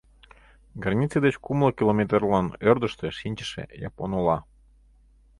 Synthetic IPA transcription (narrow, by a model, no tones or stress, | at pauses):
ɡɑrnʲit͡sed̪et͡ɕkumlˠɤkilomet̪rlɑnørd̪əʃt̪eʃinʲt͡ɕə̥ʃḛjɑ̰ponolɑ